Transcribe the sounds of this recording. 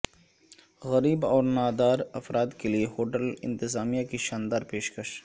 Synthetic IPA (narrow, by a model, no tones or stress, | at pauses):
ɣɐɾiːbɔːɾnaːd̪aːɾɐfɾaːt̪keliehoːʈəlɪ̰̃nt̪ɪzaːmijakiʃaːnd̪aːɾpeːʃkɐʃ